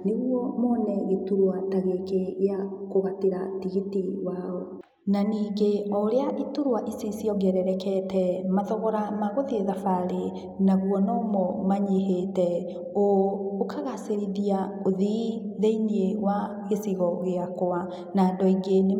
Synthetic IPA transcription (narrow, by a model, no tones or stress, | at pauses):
neɣuɔmɔːnɛɣetuɾwataɣekeɣeakoɣateɾatiɣitiwaɔ | naniːɡeɔɾeaʔituɾwaʔisisiɔɡɛɾɛɾɛkɛtʰɛmaðɔɣɔɾamaɣoðieðafaɾe | naɣwɔnɔmɔmaɲeɦetɛ | ookʰaɣaseɾiðiaoðiðeinieɣwa | ɣesiɣɔɣeakoa | nandɔiɡen